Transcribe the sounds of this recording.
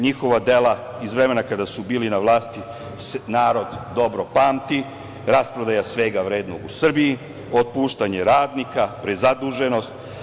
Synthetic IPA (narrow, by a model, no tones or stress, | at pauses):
ɲixo̞ʋad̪ela | izʋɾemenakad̪asubiːlinaʋlˠaːst̪i | senaːɾo̞d̪ːo̞bɾo̞paːmt̪i | ɾaspɾod̪ajasʋe̞ɡaʋɾeːd̪noɡusr̩biji | o̞t̪̚puːʃt̪aɲe̞ɾaːd̪nikapɾezad̪uʒe̞no̞st̪